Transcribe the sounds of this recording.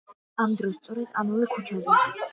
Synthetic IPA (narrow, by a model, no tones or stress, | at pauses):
amd̪ɾɔst̪sʼɔɾɛd̪̥amavɛkʰut͡ʃʰazɛʃi